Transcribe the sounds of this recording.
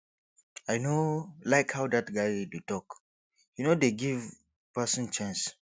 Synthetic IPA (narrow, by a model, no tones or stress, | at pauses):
ajnolaɪkhawdatɡajdutɔk | junodeɡiv | pasɔ̃nt͡ʃãns